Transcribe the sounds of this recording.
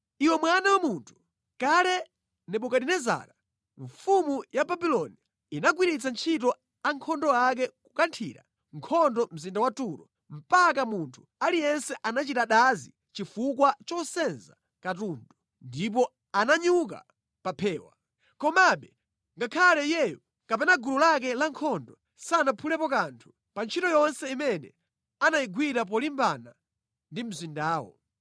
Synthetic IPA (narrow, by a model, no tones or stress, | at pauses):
iwɛmwanawamuntʰu̥ | kalɛ | nɛpɔkadinɛza̰ɾa | ɱfumujababilɔni | inak̬wiɾit͡sant͡ʃʰitɔ | aŋkʰɔndɔak̬ɛkukantʰiɾa̰ | ŋ̩kʰɔndɔm̩zindawatuːɾɔ | m̩pakamuntʰu̥alijɛnsɛʔanat͡ʃitaɗazi | t͡ʃifukwat͡ʃɔsɛnza | katundɔ | ndip̬ɔ | anaɲuk̬a̰ | papʰɛːwa̰ | kɔmaɓɛ | ŋɡakʰalɛjɛjɔ | kapɛnaɡuɾulak̬ɛlaŋkʰɔndɔ | sanapʰulɛpɔkantʰu̥ | pant͡ʃʰitɔjɔnsɛimɛnɛ̰ | anajiɡwiɾap̬ɔlimbana | ndim̩zindaːwɔ̰